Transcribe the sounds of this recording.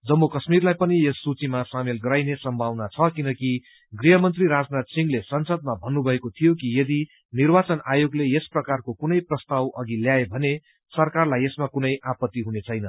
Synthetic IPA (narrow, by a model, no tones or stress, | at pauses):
d͡zʌmːokʌsmirlajpʌniesːut͡simasamelɡʌɾajnesʌmbʱawnat͡sʰʌkinʌki | ɡriɦʌmʌnt̪riɾad͡znat̪siŋɡlesʌnsʌd̪̚mabʱʌnːubʱʌekot̪ʰijokijed̪i | nirbat͡sʌnajoɡleesprʌkarkokunʌjprʌst̪awʌɡiljaebʱʌne | sʌrkarlajesmakunʌjʔapʌt̪ːiɦunet͡sʰʌjnʌ